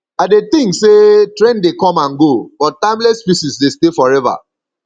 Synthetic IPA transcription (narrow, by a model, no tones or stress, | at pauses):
aɪdet̪ĩŋksetɹɛ̃ndekɔ̃mãnɡobɔt̚tãɪ̃mlɛtspisisdestefɔɹɛva̰